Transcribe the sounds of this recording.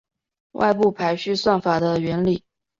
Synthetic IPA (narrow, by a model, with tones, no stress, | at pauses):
wa̰˥˧ɪpu˥˩pʰa˧˥ɪɕy˥˧swa˥˩ŋfa˨˩d̪ə˦ɥɛ˧˥nli˨˩˦